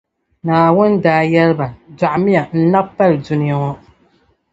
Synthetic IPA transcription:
naː˨wʊ˦ndaː˨jɛ˦lɨ˦ba˨d͡ʒa˨ʔmɪ˦a˨n̩˦na˦bpːa˦ldʊ˦nɪ˦a˦ŋɔ˦

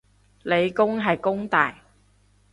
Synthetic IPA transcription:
le˨˧jkʊ˥ŋɦɐ˨jkʊ˥ŋt̪aː˨j

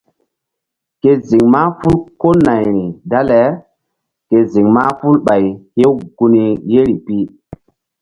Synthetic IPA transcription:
ke˨zi˨ŋma˦fu˦lko˦na˨jɾi˨da˦lɛ˨˦ | ke˨zi˨ŋmaː˦fu˦lɓa˨jhe˦wɡu˦ni˨je˦ɾi˨pi˦

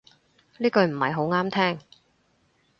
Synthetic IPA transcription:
liː˥kɵ˧ɥm̩˨˩hɐ̰˨jɦo˨˥wŋaː˥mt̪ʰɛː˥ŋ

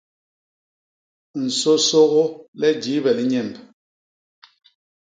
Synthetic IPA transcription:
n̩˨so˦so˦ɣo˦lɛ˦d͡ʒi˨˦bɛ˨li˦ɲɛ˦˨mb

